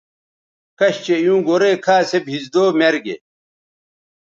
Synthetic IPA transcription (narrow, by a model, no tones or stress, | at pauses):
kɐɕt͡ɕejũːɡoɾekʰaːsebhizd̪oːmeɾɡḛ